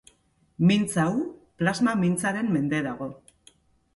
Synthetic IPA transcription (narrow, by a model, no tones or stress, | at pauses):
mint͡sawplazmamint͡saɾe̞mːe̞nd̪e̞ðaɣ̞o̞